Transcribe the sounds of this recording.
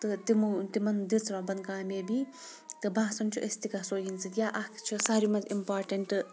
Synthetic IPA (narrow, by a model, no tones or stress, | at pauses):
t̪ɨt̪imut̪imɐnd̪it͡sʰɾaːbɐnkaːmeːbi | t̪ɨbaːsɐnt͡ʃʰuʔest̪ikasoːjint͡sʰɨt̪jaːʔɐkʰt͡ʃʰusaːɾimɐtimpaːɾʈɐɳʈɨ